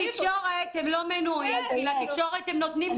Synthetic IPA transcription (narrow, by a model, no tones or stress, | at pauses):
ikʃoʁet̪emlo̞menuimelat̪ikʃo̞ʁet̪emnot̪nim